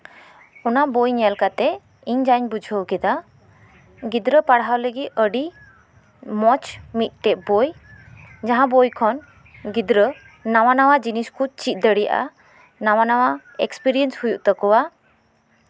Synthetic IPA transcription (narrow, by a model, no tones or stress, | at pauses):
ɔnaʔbojɲɛlkat̪ɛ | iɲd͡ʒaɲbud͡ʒʱəwkɛd̪a | ɡid̪ɾəpaɽɦawləɡit̪̚əɖi | mɔt͡ʃmit̪̚ˀʈɛʔboj | d͡ʒaɦãbojkʰɔn | ɡid̪ɾəː | awanawad͡ʒiniskut͡ʃit̪̚ˀd̪əɽija̰ʔa̰ | nawanawa | ɛkspiɾiɛnshujuʔt̪əkɔwa